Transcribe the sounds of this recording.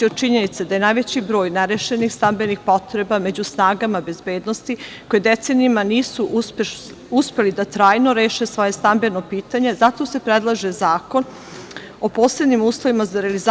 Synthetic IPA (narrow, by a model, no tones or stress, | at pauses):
iod̪̚t͡ʃiɲenit̪sed̪ajenajʋe̞t͡ɕibɾo̞ːjneɾeʃenixst̪ambe̞nixpo̞t̪ɾe̞bame̞d͡ʑusnaːɡamabe̞zbe̞ːd̪no̞st̪iko̞jed̪et̪se̞niimaniːsuʔp | uspe̞lid̪at̪ɾaːjno̞ɾe̞ːʃesʋo̞je̞st̪ambe̞no̞piːt̪aɲe̞zat̪o̞se̞pɾed̪lˠaʒezaːko̞n | o̞po̞ːsled̪nimuːslˠo̞ʋimazaɾeliz